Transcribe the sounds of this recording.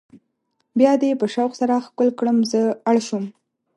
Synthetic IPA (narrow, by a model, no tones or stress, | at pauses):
bjɑd̪epəʃawxsaɾaxkʊlkɽəmzəaɽʃum